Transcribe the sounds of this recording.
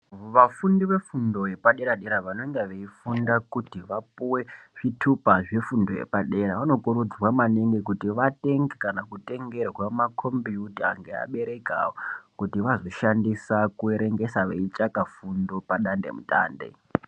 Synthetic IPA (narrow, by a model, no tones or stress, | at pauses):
ʋafundiʋe̞fundo̞je̞paɗe̞ɾaɗeɾaʋano̞ŋɡeʋeifundakutiʋapuwe̞ʐ̥itʰupaʐefundo̞jḛpaɗe̞ɾaʋano̞kuɾud͡zwamaneŋɡe̞kutiʋate̞ŋɡekanakute̞ŋɡe̞rwamakʰo̞mbijuta̰ːŋɡea̰ɓe̞ɾe̞ka̰wokutiʋazo̞ʃandisakueɾe̞ŋɡe̞saʋḛit͡ʃakafundo̞paɗande̞̰mutʼa̰ːnde̞̰